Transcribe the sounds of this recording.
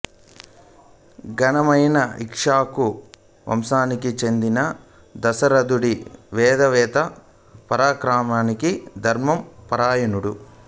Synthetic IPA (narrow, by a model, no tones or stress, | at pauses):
ɡɐnɐmɐjnɐikʂaːku | ʋɐ̰msaːnikit͡ʃe̞nd̪inɐ | d̪ɐsɐɾɐd̪uɽiʋɛːd̪ɐʋɛːt̪ɐ | pɐɾaːkɾaːmaːnikid̪ʱɐɾmɐmpɐɾaːjɐnuɽu